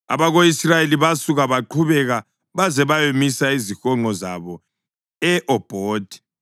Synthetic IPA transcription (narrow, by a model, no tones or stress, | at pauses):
a̰βaɣoisrajeliβasuɣaβaǃʰuβɛɣa | βazɛβajomisaizixɔŋŋ͡ǃʱɔza̰βɔ | ɛʔɔb̥ʱɔːd̥ʱi̥